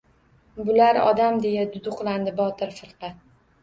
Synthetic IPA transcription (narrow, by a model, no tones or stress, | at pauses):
bʊlaɾɒ̰d̪amd̪e̞jad̪ʊd̪ʊqlˠand̪ɪbɒt̪ɪɾfɨɾqɑt̪̚